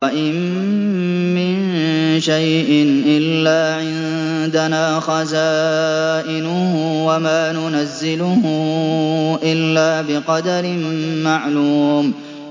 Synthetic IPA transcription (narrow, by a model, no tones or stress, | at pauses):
ʔɪmː | ɪn | ʃajʔɪnʔɪlːaːʕɪn | d̪anaːxazaːʔɪnʊhʊwamaːnʊnazːɪlʊhʊ | ʔɪlːaːbɪqɑd̪aɾɪmmaʕluːm